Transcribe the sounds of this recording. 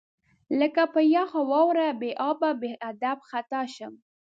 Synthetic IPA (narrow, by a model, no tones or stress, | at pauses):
ləkapəjaxawɑwɾabeʔɑbabeʔad̪abxat̪ɑʃəm